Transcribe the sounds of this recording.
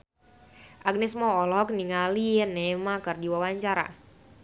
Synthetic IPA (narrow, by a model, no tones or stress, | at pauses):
ʔaɡ̚nɛsmɔɔlɔk̚niŋalinɛmakərdiwawaɲt͡ʃaɾa̰